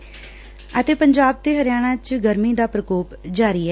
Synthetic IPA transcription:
ət̪eːpəɲd͡ʒaːb̚t̪eːɦəɾɪjaːɽ̃ãːt͡ʃɡəɾmiːd̪aːpɾəkoːpd͡ʒaːɾiːɛː

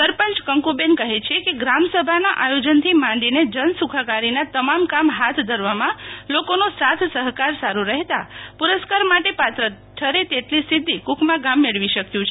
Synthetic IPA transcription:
səɾpənt͡ʃkəŋkubenkəɦet͡ʃʰekeɡɾamsəbʱanaʔajod͡ʒənt̪ʰimãɳɖined͡ʒənsukʰakaɾinat̪əmamkamɦat̪ʰd̪ʱəɾʋamãlokonosat̪ʰsəɦkaɾsaɾuɾəɦt̪apuɾəskaɾmaʈepat̪ɾət̪ʰːəɾet̪eʈlisɪd̪ʱːikukʰmãɡamːeɭʋiʃəkjũt͡ʃʰe

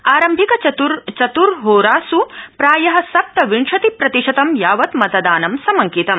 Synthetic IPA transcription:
aːɾɐmbʱikɐt͡ʃɐt̪uɾt͡ʃɐt̪uɾɦoːɾaːsupɾaːjɐɦɐ̆sɐp̚t̪ɐʋiɳʂɐt̪ipɾɐt̪iʃɐt̪ɐmjaːʋɐt̪mɐt̪ɐd̪aːnɐmsɐmɐŋkit̪ɐm

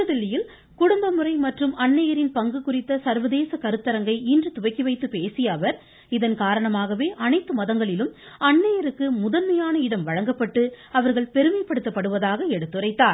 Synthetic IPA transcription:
ɐðɪlːɪjɪl | kʊɽʊmbɐmɯrɐɪmɐʈrɯmɐɳːɐjɐɾɪnpɐŋɡɯkʊrɪt̪ːɐsɐɾʋɐðeːsɐkɐɾɯt̪ːɐɾɐŋɡɐɪindrɯt̪ʊʋɐɪkːiʋɐɪt̪ːɯpeːsɪjɐːʋɐɾ | ɪðɐnkaːɾɐɳɐmaːɣɐʋeːʔɐnɐɪt̪ːɯmɐðɐŋɡɐɭɪlɯmɐɳːɐjɐɾɯkːɯmʊðɐnmɐjaːnɐɪɽɐmʋɐɻɐŋɡɐpːɐʈːɯɐʋɐɾɣɐɭpɛɾɯmɐɪpːɐɽɯt̪ːɐpːɐɽɯʋɐðaːɣɐɛɽɯt̪ːɯrɐɪt̪ːaːɾ

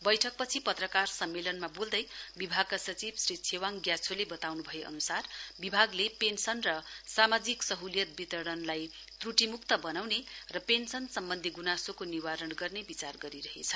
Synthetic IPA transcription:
bʌjʈʰʌk̚pʌt͡sʰipʌt̪rʌkarsʌmːelʌnmabold̪ʌjbibʱaɡ̚kasʌt͡sibsrit͡sʰewaŋɡjat͡sʰolebʌt̪awnubʱʌeʔʌ̰nusarbibʱaɡlepensʌnrʌsamad͡ziksʌɦuljʌt̪̚bit̪ʌɽʌnlaj | t̪ruʈimukt̪ʌbʌnawnerʌpensʌnsʌmbʌnd̪ʱiɡunasokoniwaɾʌɳɡʌrnebit͡sarɡʌɾiɾʌɦḛt͡sʰʌ̥

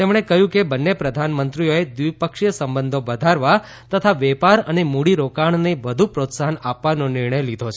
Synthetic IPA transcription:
t̪emɳ̃ekəɦjũkebənːepɾəd̪ʱanmənt̪ɾijoed̪ʋipəkʃjəsəmbənd̪ʱobəd̪ʱaɾʋa | t̪ət̪ʰaʋɛpaɾənemuɽiɾokaɳneʋəd̪ʱupɾot̪saɦənapʋanonɪɾɳ̃əjlid̪ʱot͡ʃʰ

